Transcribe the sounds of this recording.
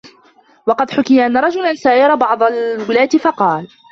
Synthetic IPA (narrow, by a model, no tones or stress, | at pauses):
wɑqɑd̪ħʊkɪjaʔanːaɾˤɑd͡ʒʊlansaːjɑɾˤɑbɑʕd̪ˤɑlwɪlaːt̪ɪfɑqɑːl